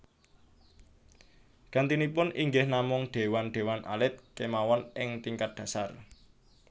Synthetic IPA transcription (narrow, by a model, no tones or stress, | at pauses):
ɡ̥a̤nt̪inipʊnʔiŋɡɪhnamʊŋɖ̥e̤wanɖ̪̥e̤wanʔa̰lɪt̪̚kemawɔnɪŋt̪iŋkat̪̚d̪̥ä̤sar